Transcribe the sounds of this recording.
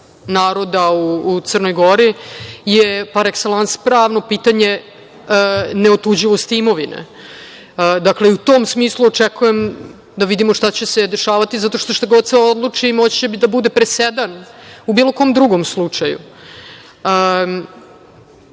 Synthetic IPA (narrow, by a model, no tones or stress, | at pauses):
naːɾo̞d̪auːt̪sərno̞jɡo̞ɾijepaɾekselanspɾaːʋno̞piːt̪aɲe | neo̞t̪ud͡ʑiʋo̞st̪iimo̞ʋinḛ | d̪akle̞iut̪oːmsmiːslˠuot͡ʂekujem | d̪aʋid̪imoʂt̪at͡ɕesed̪e̞ʃaːʋat̪izat̪o̞ʃt̪oʃt̪aɡod̪sɛod̪lˠut͡ʂimot͡ɕt͡ɕebid̪abud̪e̞pɾesed̪anubiːlˠo̞ko̞ːmd̪ɾuɡo̞mslˠut͡ʂajṵ | ə